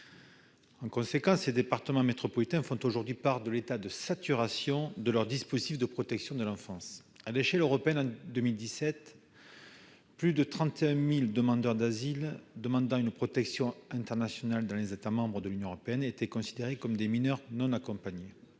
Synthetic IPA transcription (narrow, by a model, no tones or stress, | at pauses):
ɑ̃kɔ̃sekɑ̃sled̪epaʁt̪əmɑ̃met̪χɔpɔlit̪ɛ̃fɔ̃t̪oʒuʁd̪ɥipaʁd̪əlet̪ad̪əsat̪yʁasjɔ̃d̪əlœʁd̪ispozit̪ifd̪əpχɔt̪ɛksjɔ̃d̪əlɑ̃fɑ̃s | aleʃɛløʁɔpeɛnɑ̃d̪əmild̪isɛt̪ | plyd̪ət̪χɑ̃t̪eɛ̃mild̪əmɑ̃d̪œʁd̪azild̪əmɑ̃d̪ɑ̃ynpχɔt̪ɛksjɔ̃ɛ̃t̪ɛʁnasjɔnald̪ɑ̃lezet̪amɑ̃bʁəd̪əlynjɔ̃əʁɔpeɛnet̪ɛkɔ̃sid̪eʁekɔmd̪eminœʁnɔ̃nakɔ̃paɲe